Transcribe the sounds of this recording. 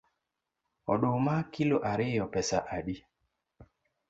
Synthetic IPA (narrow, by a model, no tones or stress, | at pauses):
ɔɗomakiloʔaɾɪjɔpɛsaʔaɗi